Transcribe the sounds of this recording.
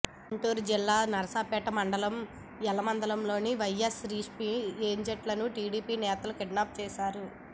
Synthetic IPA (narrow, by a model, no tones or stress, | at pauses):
uɳʈuːɾd͡ʒilːaːnɐɾɐsaːpɛːʈɐmɐɳɖɐlɐm | ɛlɐmɐnd̪ɐlɐmlo̞ːniʋɐjːesɾiːʂpiːeːɲd͡ʒɐʈlɐnuʈiːɽiːpiːnɛːt̪ɐlukeɖnaːp̚t͡ʃɛːʃaːɾu